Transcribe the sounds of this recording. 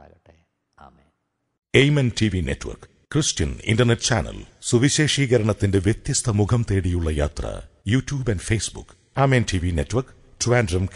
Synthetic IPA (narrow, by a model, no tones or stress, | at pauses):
ejmɐntʰiʋinḛtːʋɐ̰rk | krɨstɐnḭndɐrnetːt͡ɕaːnɐ̰lsuʋiɕeːʂiːɣɐɾɐɳɐt̪ːinde̞ʋjet̪jɐst̪ʰɐmuɡʰʱɐmt̪e̞ːɽijuɭːɐja̰ːt̪rɐ̰juːtjuːbɐnɖfeːsbṵk | aːmeːntʰiʋinetːʋɐrk | tuʋaːndɾɐm